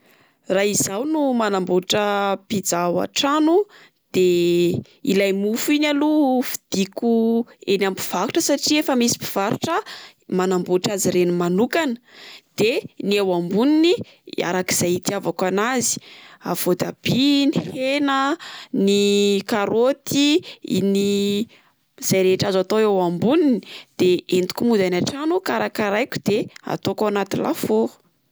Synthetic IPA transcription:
raizawnumanamboʈ͡ʂəpid͡zawa̰ʈ͡ʂanu | d̪̥e | ḭlajmufinalufi̥d̪̥ikuenampi̥v̥aɾu̥ʈ͡ʂəsaʈ͡ʂiefəmisi̥pi̥v̥aɾṵʈ͡ʂə | manamboʈ͡ʂaziɾenimanukanə̥d̪̥eniawambunini | a̰ɾaki̥z̥ait̪iavakanazi̥a̰v̥od̪ab̥inihenənikaɾot̪ḭni | z̥ajɾeʈ͡ʂazat̪oewambuninid̪̥eent̪u̥kʲumud̪anaʈ͡ʂanukaɾakaɾajkʲu̥d̪̥ea̰t̪okawanat̪inlʔa̰fo

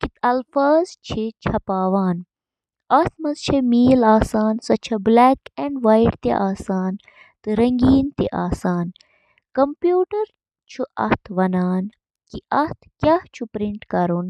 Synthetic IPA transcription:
kit̪ɐlfaːzt͡ʃʰit͡ʃʰɐpaːʋaːn | ɐht̪ʰmɐzt͡ʃʰɐmiːlaːsaːnsɐt͡ʃʰɐblɛːkɛɳɖʋaːjɖt̪ḛʔaːsaːn | t̪ɨɾɐŋɡiːnt̪ḭʔaːsaːn | kɐmpjuːʈɐɾ | t͡ʃʰuɐ̰ht̪ʰʋɐnaːn | kiɐht̪ʰkʲɐht͡ʃʰupɾiɳʈkɐɾun

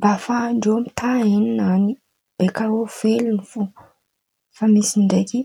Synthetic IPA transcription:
bafaɳɖ͡ʐewmit̪ʰaininani | b̥ekaɾofelunifu | famisiɳɖ͡ʐeki

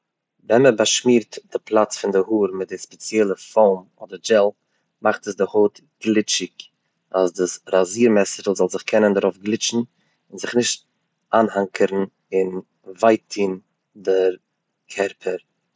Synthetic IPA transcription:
vɛnməbaʃmiːɾtd̥ɪpʰlˠat͡sfɪndɪhuːɾmɪt̚dɪspɛt͡sjɛlˠəfɔʊmɔdəɾd͡ʒɛlˠ | maχtəsdɪhoːt | ɡ̥lˠɪt͡ʃɪk | asdɪsɾaziːɾmɛsɪɾəlˠzɔlˠzɪχkʰɛnəndaɾʊfɡlˠɪt͡ʃn̩ | ɪnzɪχnɪʃt̚ | ʔaːnhaŋkʰəɾn̩ | ɪn | vaɪtʰiːn | dɪɾ | kʰɛɾpʰəɾ

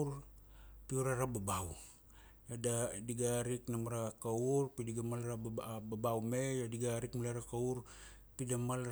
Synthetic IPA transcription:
ɾ | piuɾaɾababaw | jadadiɡaɾiknamaɾakaurpidiɡamalɾababawmejadiɡaɾikmalaɾakauɾ | pidamal

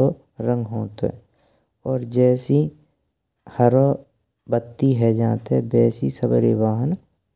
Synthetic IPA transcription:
o | ɾə̃ŋɡɦoːt̪oɛ̰ | ɔːɾd͡ʒɛːsi | həɾo | bət̪ːiɦɛd͡ʒaːt̪ɛbɛːsisəbəɾebaːɦən

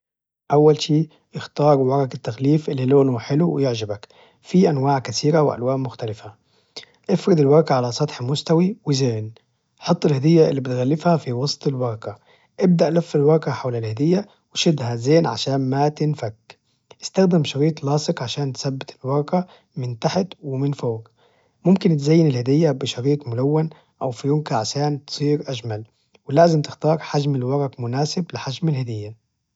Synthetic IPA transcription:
ʔawːælʃiː | ʔɪxt̪ɑːɾˤwwɑɾˤɑkɪt̪ːaxliːfʔɪlːiloːnhʊħɪluwɪjɪʕʒɪbak | fiːʔanwaːʕkat̪iːɾawɪʔa̰lwaːʔmʊxt̪alɪfa | ʔɪfɾɪd̪ɪlwɑɾˤɑkaʕalasˤɑt̪ħmʊst̪awiwɪzeːn | ħɑt̪ˤːɪlhad̪ɪjːaʔɪ̰lːibɪt̪ɣalːɪfhafiwɑsˤt̪ˤɪlwɑɾˤɑka | ʔɪb̚d̪aʔlafːɪlwɑɾˤɑkaħawlalhad̪ɪjːa | wɪʃɪd̪hazeːnʕa̰ʃaːnmat̪ɪnfak | ʔɪst̪axd̪ɪmʃɑɾiːt̪ˤlɑːsˤɪkʕaʃaːnt̪sabːɪt̪ɪlwɑɾˤɑka | mɪnt̪aħɪt̪wɪmɪnfoːɡ | mʊmkɪnt̪zajːɪnɪlhad̪ɪjːabɪʃɑɾiːt̪mʊlawːan | ʔawfijʊŋkaʕaʃaːnt̪sˤiːɾʔaʒmal | wɪlaːzɪmt̪ɪxt̪ɑːɾˤħaʒmɪlwɑɾˤɑkmʊnaːsɪblɪħad͡ʒmɪlhad̪ɪjːa

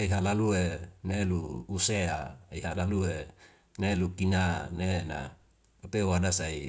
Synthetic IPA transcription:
aiɦalalueneluːseaiɦalalue | nelukinanena̰ | apeuadasai

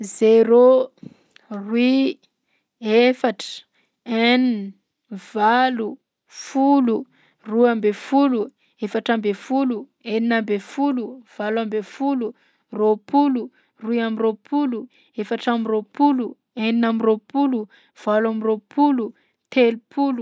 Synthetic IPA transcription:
zeɾo | rwi | efaʈ͡ʂə̥ | enini | valu | fulu | ruambefulu | efaʈ͡ʂambefulu | eninambefuluv̥alambefulu | ropulu | ruiamiropʰulu | efaʈ͡ʂamiropulu | eninamiropulu | v̥alwamiropʰulu | t̪elupʰulu

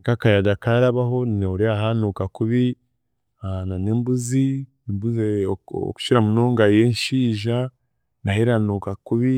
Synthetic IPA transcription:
kakajadakaɾaβaɦo̞neuɾiaɦanukakuβi | ananeːmbuzi | mbuzḛku̥ʃiɾamuno̞ːŋɡajenʃiːʒa | naheɾanuːkakuβi

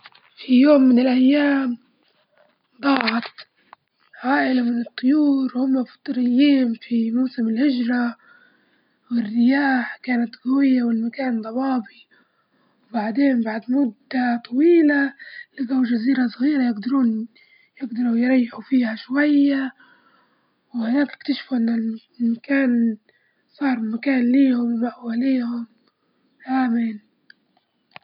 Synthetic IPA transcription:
fijoːmːɪnɪlʔajːaːm | bɑːʕɑt̪ | ʕaːʔɪlamɪnɨt̪ˤːʊjuːɾwhʊmːafɑ̥t̪ˤːɾɪjːiːnfimawsɪmɪlhɪd͡ʒɾˤɑ | wɪrːɪjaːħkaːnat̪ɣawɪjːawɪlmakaːnd̪ˤɑbɑːbi | wbaʕd̪eːnbaʕd̪mʊd̪ːat̪ˤɑwiːlalɪɡawʒaziːɾasˤɣiːɾajɪɡd̪ɑɾuːn | jɪɡd̪ɑɾˤujɾˤɑjːɪħufiːhaʃwajːa | whʊnaːkɪ̥kt̪aʃfuʔɪnːal | makaːn | sˤɑːɾˤmakaːnliːhʊmwmaʔwaleːhʊm | ʔaːman

